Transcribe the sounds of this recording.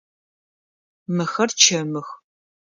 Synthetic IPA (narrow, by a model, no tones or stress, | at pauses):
mɨxɐrt͡ʃʰɐmɨx